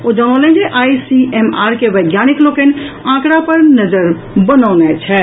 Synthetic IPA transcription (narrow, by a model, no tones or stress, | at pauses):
od͡ʒaɽ̃əlɛ̃nd͡ʒeʔajsiemaɾkeʋəjɡjaniklokən | ãkɾapəɾnəd͡ʒəɾ | bənənɛt͡ʃʰɛ